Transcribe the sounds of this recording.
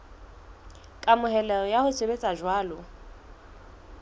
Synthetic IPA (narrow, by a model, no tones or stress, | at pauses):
kʼamʊɦɛlɛrɔjahʊsʰʼebet͡sʼaʒwaːlʊ